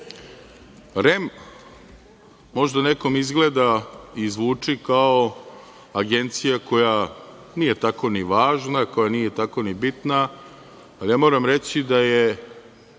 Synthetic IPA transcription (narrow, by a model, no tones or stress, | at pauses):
ɾem | mo̞ʒd̪aneko̞mizɡle̞d̪aizʋuːt͡ʂikao | aɡe̞nt̪sijako̞ja | niːje̞t̪ako̞niʋaːʒnako̞janiːje̞t̪ako̞nibit̪na | aljamoɾamɾet͡ɕid̪aje